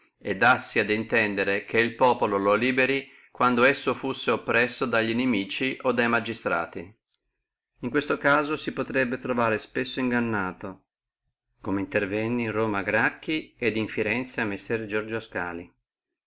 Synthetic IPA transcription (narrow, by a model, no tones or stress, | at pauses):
ed̪ːasːiad̪int̪ɛnd̪eɾekʰeilpɔːpolololiːbeɾi | kwand̪oɛsːofusːeopːɾɛsːod̪aʎːinemiːt͡ʃiʔod̪ajmad͡ʒist̪ɾa̰ːt̪i | iŋkwest̪okaːzosipot̪ɾɛbːet̪ɾovaːɾespesːoiŋɡanːaːt̪o | komeint̪ervɛnːinroːmaɡɾakːied̪iɱfiɾɛnt̪saamːesːɛrd͡ʒɔrd͡ʒoska̰ːli